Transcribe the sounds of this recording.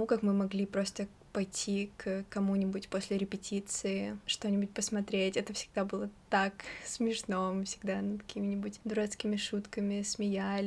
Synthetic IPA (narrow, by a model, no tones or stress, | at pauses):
mukakmɨmɐɡlʲipɾo̞st̪ə | pɐjtʲʰːikkɐmunʲɪbʊtʲposʲlʲɪɾʲɪpʲɪtʲit̪sɨɪʂt̪o̞nʲɪbʊt̚ʲpəsmɐt̪ɾʲetʲɛt̪əfsʲɪ̥ɡ̚d̪abɨlˠət̪aksmʲɪʂnomɨfʲsʲɪɡd̪anɨkɐ̥kʲʰimʲɪnʲɪbʊtʲd̪ʊɾɛt̪skʲɪmʲɪʂut̪kəmʲɪsmʲɪjalʲɪ